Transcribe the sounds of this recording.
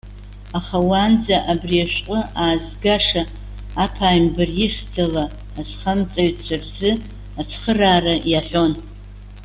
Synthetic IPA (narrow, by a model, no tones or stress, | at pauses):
aχawand͡zaʔabriaʃʷᶣqʼəaːzɡaʂaː | pʰaːjmbɨrjɪʂʲd͡zalaː | sχamt͡sʼaɥt͡ɕʷʰarzɨ | at͡sʰχəraːrajaħʲʷᶣo̞n